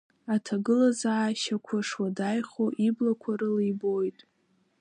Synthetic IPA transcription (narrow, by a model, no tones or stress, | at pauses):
atʰaɡɨlazaʕaʃakʷʰaʂwadajχoʔiblakʷʰaɾɨlejbojtʼ